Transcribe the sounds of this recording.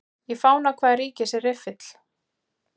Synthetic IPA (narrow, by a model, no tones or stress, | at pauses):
jɛɣfaːwnakʰvaːðɾriːcɪsɛɾɪfɪt̪l̥